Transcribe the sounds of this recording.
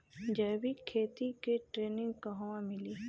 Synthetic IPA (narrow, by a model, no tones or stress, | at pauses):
d͡ʒɛːbikʰeːt̪ikeʈɾeːnɪ̃ŋɡkɐɦwãmɪli